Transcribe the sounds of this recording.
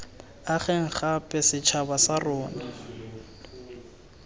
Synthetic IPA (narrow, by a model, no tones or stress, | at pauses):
aχɛŋ̩χapʼɛsɪt͡ʃʰabasarɔːna